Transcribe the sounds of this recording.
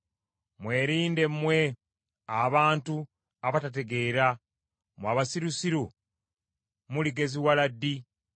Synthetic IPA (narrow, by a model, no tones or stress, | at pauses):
mwe̞ːɾiːnde̞mmːwe̞ | aβaːntu | aβatat̬e̞ɡe̞ːɾa | mwaːβasiɾusiɾu | muliɡe̞ziwaladːi